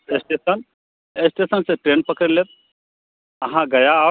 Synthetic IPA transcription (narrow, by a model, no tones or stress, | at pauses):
esʈesən | esʈesənseʈɾenpəkəɾlet̪̚ | aɦãɡɐjaː